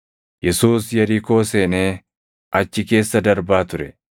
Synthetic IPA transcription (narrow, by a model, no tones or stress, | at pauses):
jɛsuːsjɐɾiːkoːseːneː | ʔɐt͡ʃːɪke̞ːsːɐd̪ɐɾbaːt̪ʊɾɛ